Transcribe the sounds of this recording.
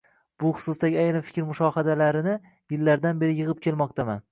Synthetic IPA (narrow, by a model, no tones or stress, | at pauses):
b̥ʊχʊ̥sʊsd̪aɡʲɪajɾɪmfɪ̥kʲɾmʊʃɒhad̪alaɾɪnɪ | jɪlːaɾd̪anbe̞ɾɪjɨʁɨp̚kʲʰe̞lˠmɒq̚t̪ʰama̰n